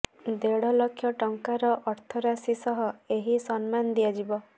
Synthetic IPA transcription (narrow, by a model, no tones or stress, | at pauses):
d̪eɽɔlɔkʰːjɔʈɔŋkaɾɔʔɔɾt̪ʰɔɾasisɔɦɔeɦisɔnmanɔd̪iad͡ʒibɔ